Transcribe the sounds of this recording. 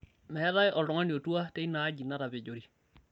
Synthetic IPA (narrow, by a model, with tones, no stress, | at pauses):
mɛ˨˦ɾa˦jʔɔ˨lɾɔ˨ŋa˦ni˨o˨tu˦a˦te˦i˦na˨˦ɟi˨na˦ɾa˨βe˨ɟo˨ɾi˦